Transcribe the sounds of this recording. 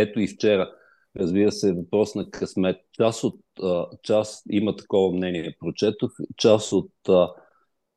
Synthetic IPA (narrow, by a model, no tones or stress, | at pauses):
ɛt̪oift͡ʃɛɾə | ɾɐzbiɾəsɛvɐpɾɔsnɐkɐsmɛt̪̚t͡ʃasot̪ət͡ʃasimət̪ɐ̥kɔvɐmnɛniɛpɾot͡ʃɛt̪oxt͡ʃasot̪ə